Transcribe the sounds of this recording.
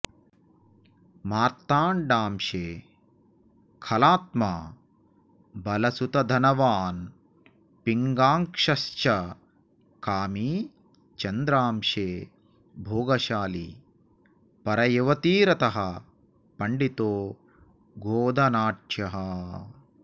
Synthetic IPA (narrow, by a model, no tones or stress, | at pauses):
maːɾt̪aːɳɖaːmʃeː | kʰɐlaːt̪̚maː | bɐlɐsut̪ɐd̪ʱɐnɐʋaːn | piŋɡaːŋkʂɐʃt͡ʃɐ | kaːmiː | t͡ʃɐnd̪ɾaːmʃeː | bʱoːɡɐʃaːli | pɐɾɐjɐʋɐt̪iːɾɐt̪ɐɦɐ | pɐɳɖit̪oː | ɡoːd̪ʱɐnaːʈʃjɐɦɐ